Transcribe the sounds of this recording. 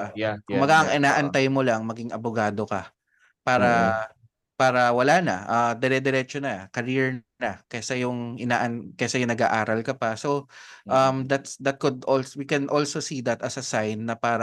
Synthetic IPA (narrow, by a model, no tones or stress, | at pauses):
kʊbɐɡaʔɐŋʔɪnaːʔɐnt̪ajmolɐŋmɐɡɪŋɐbʊɡaːd̪o̞kɐ | paːɾɐ | paːɾɐwɐlaːnɐ̰ʔɐd̪ɛɾɛd̪ɛɾɛt͡ʃonɐkɐɾiɹnnɐkɛsajʊŋʔɪnaːʔɐnkɛsajʊŋnɐɡa̰ːʔaːɾɐlkɐpɐso̞ʔɐmd̪ɐt̪sd̪ɐt̪̚kʊd̪ʔolswikɛnʔolsosid̪ɐt̪ɐsɐsajnːɐpaːɾɐ